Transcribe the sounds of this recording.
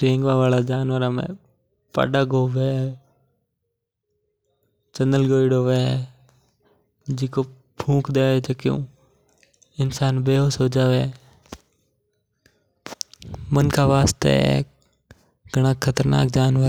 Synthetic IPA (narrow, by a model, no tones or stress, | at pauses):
ɾẽːŋɡʋaːʋaːlaːd͡ʒaːnʋəɾamḛ̃ː | pa̰ːɖaːɡoːʋeːeː | t͡ʃənəlɡoːiɽoːʋeeː | d͡ʒɪkoː | pʰũːkʰd̪eːʋet͡ʃəkɪjṵ̃ː | ɪnsaːnbeːɦoːsoːd͡ʒaːʋe | mənkʰaːʋaːst̪ḛ | ɡʱəɽ̃ãːkʰət̪əɾna̰ːkd͡ʒaːnʋəɾ